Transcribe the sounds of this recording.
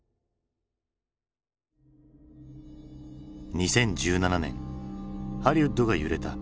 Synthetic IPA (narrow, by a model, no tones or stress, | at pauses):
ɲ̟isẽ̞ɲ̟d͡ʑɨːnananẽ̞̰ŋ | haɾʲiɯd̪oɡajɯɾe̞t̪a